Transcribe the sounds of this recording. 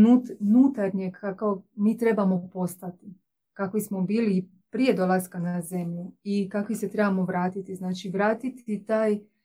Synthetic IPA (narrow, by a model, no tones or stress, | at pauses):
nuːt̪nuːt̪aɾɲeɡakomiːt̪ɾe̞bamo̞po̞st̪at̪i | kakʋismo̞biːli | pɾije̞d̪o̞lˠaskanaze̞mʎuikakʋiset̪ɾe̞bamo̞ʋɾaːt̪it̪iznaːt͡ʃiʋɾaːt̪it̪it̪aːj